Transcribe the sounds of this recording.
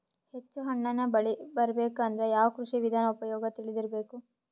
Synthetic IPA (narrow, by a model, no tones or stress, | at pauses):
he̞t͡ʃːuɦɐɳːɐnːɐbɐɭibɐɾɐbeːkɐnd̪ɐɾejaːʋɐkɾuʂiʋid̪ʱaːnɐupɐjɔːɡɐt̪iɭid̪iɾɐbe̞ːku